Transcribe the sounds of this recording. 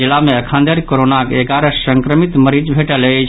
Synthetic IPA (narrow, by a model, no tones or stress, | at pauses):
ilameəkʰãnd̪ʱəɾikoɾonakeɡaɾəsəŋkɾəmit̪məɾid͡ʒbʱeʈələt͡ʃʰ